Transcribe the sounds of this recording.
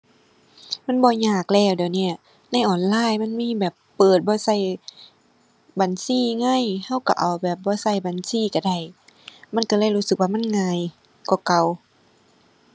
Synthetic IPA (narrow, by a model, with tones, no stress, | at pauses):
ma˧˥˨nbɔː˧ɲaː˧˩k̚lɛː˧˩wdaː˨ni˧˩ɐ | na˧˥˨jʔɔː˨˩nlaː˧˥˨jma˧˥˨nmiː˧˥˨bɛː˨˩pːɤː˨˩t̪̚bɔː˧˦sa˧˩j | baː˨nsiː˧˥˨ŋa˧˥˨jha˧˥˨wka̰˧˩ʔa˨˩wbɛː˨˩p̚bɔː˧˦sa˧˩jbaː˨nsiː˧˩˨ka˧˩da˧˩j | ma˧˥˨nka˧˩lɤː˧˥˨jluː˧˥˨sɯ˨˩k̚waː˧ma˧˥˨nŋaː˧˨j | kɔː˧˩ka˨˩w